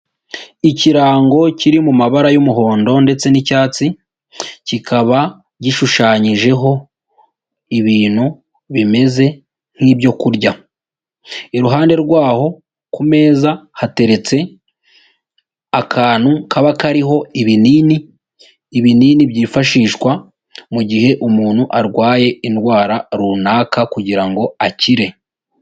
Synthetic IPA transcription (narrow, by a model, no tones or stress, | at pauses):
iciɾaːŋɡo̞ciɾimumaβaɾajumuɦo̞ːndo̞nde̞t͡se̞nicaːt͡si | cikʰaβa | ɟiʃuʃaːɲiʒe̞ɦo̞ | iβiːn̥hu | βime̞ze̞ | ŋ̥hiβjo̞kuɾɟa | iɾuɦaːnde̞ɾɡwaːho̞ | kume̞ːzahate̞ɾe̞t͡se̞ | akʰaːn̥hukʰaβakaɾiɦo̞iβiniːniː | βininiβjiːfaʃiːʃkwa | muɟiɦe̞ʔumuːn̥huʔaɾɡwaːje̞inwaːɾaɾuːnaːkakuɟiɾaŋɡo̞aciɾe̞